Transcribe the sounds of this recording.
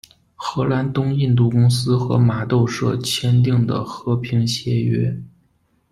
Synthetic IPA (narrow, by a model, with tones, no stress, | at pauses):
xɤ˧˥la˧˥nt̪ʊ˥ŋi˥˧nt̪̬u˥˩kʊ˥ŋsɹ̩˥xɤ̰˧˥ma˨˩t̪o˥˧ʊʂɤ̰˥˩t͡ɕʰjɛ˥nt̪̬i˥˩ŋd̪ə̰˩xɤ˧˥pʰi˧˥ŋɕjɛ˧˥ɥɛ˥